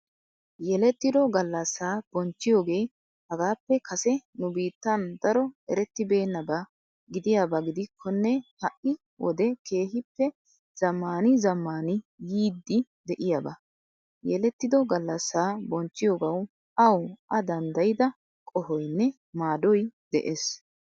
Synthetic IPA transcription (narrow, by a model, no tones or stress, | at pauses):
jɛlɛt̪ːɪd̪ɔɡɐlːɐsːaːb̥ɔnt͡ʃːɪjo̞ːɡe̞ː | hɐɡaːpːɛkʰɐsɛnʊbiːt̪ːɐnd̪ɐɾɔɛɾɛt̪ːɪbe̞ːnːɐba | ɡɪd̪ɪjaːbɐɡɪd̪ɪkʰːɔnːɛhɐʔɪ | wʔɔ̰d̪ɛke̞ːɦɪpːɛ | z̥ɐmːaːnɪzɐmːaːnɪjiːd̪ːɪd̪ɛʔɪjabɐ̰ | jɛlɛt̪ːɪd̪ɔɡɐlːɐsːaːbɔnt͡ʃːɪjoːɡɐw | ɐwʔɐd̪ɐnd̪ɐjɪd̪ɐ | kʼɔhɔjnːɛ | maːd̪ɔjd̪ɛ̰ʔeːs